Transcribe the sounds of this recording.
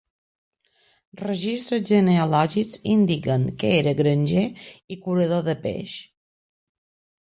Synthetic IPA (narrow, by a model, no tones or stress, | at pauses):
rəʒist̪ɾəzʒəneəlɔʒizind̪ikəŋkəeɾəɣɾənʲʒeikuɾəð̞oðəpḛʃ